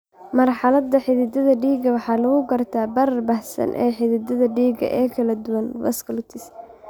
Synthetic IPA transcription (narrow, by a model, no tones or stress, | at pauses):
mɐrħɑlɐd̪ːɐħɪðɪd̪ɐðɐɖiːɡɐwɑħɑːlɐɣʊɡɐrt̪ʰaːbɐɾɐrbɐhsɐ̰nʔɛ̰ːħɪðɪd̪ɐðɐɖiːɡɐ̰ʔɛːkʰɐlɐd̪ʊwɐnwɐ̰skʰɐlʊt̪ʰɪs